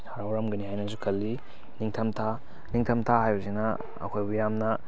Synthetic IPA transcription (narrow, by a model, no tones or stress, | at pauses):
haɾawɾɐmɡɐnihajnɐsukʰɐlːi | niŋtʰɐmtʰa | niŋtʰɐmtʰaɦajbɐsinɐ | ɐ̰kʰojbujamnɐ